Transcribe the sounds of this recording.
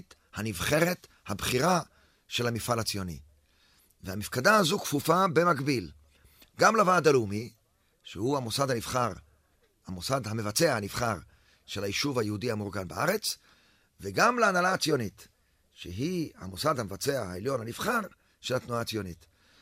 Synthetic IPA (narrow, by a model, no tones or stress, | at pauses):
t | hanivχe̞ʁe̞t̪ | habχiʁa | ʃe̞lhamifalat͡sijo̞nḭ | vehamifkadaazukfufabe̞maɡbil | ɡamlavaːd̪alumi | ʃehuamosad̪hanivχaʁ | hamosadhame̞vat͡se̞ahaniv̥χaʁ | ʃe̞lajiʃuvhajehudihamuʁɡanbaʔaʁe̞t͡s | veɡamleanalaːt͡sijo̞nit | ʃeɦiha̰mosad̪hamevat͡seahaeljo̞nhaniv̥χaʁ | ʃelat̪nuaːt͡sijo̞nit